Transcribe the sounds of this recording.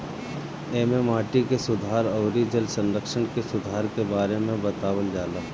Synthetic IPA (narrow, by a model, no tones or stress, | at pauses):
eːmemaːʈikesʊd̪ʱaːɾɔːɾid͡ʒəlsə̃nɾəkʃəɳ̃kesʊd̪ʱaːɾkebaːɾemẽbɐt̪aːwəld͡ʒaːlaː